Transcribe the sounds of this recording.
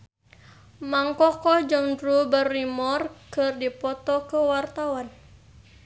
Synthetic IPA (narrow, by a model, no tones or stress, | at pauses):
maŋkɔkɔd͡ʒəŋdɾubərːimɔrkərdipɔt̪ɔkəwart̪awan